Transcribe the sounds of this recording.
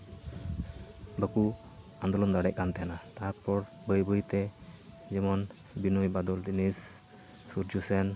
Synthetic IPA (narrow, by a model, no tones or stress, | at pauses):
bəku | and̪ɔlɔnd̪aɽɛʔ̚kant̪ɛɦanat̪aɾpɔɾ | bəjbəjt̪ɛd͡ʒɛmɔn | binujbad̪ɔld̪inisː | uɾd͡ʒusɛn